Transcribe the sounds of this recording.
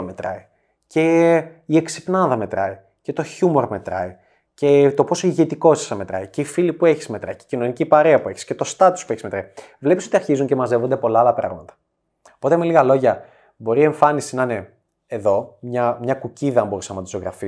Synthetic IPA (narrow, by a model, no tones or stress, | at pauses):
me̞t̪ɾɐ̰i | ce̞ieksi̥pnɐðɐme̞t̪ɾɐi | ce̞t̪o̞çumoɾme̞t̪ɾɐ̰i | ce̞t̪o̞po̞soiʝet̪iko̞si̥sɐme̞t̪ɾɐ̰ice̞ifilipue̞çi̥zme̞t̪ɾɐ̰ice̥cino̞nicipɐɾeɐpue̞çi̥sce̞t̪o̞st̪ɐt̪u̥spueçizme̞t̪ɾɐi | vle̞piso̞t̪iɐɾçizuɲce̞mɐze̞vo̞nd̪e̞po̞lɐɐlɐpɾɐ̰ɣmɐt̪ɐ̥ | opo̞t̪eemeliɣɐlo̞ʝɐ | bo̞ɾie̞ɱfɐnisinɐne̞ | eðo̞mɲɐmɲɐkuciðɐmbo̞ɾisɐmɐt̪usoɣɾɐfi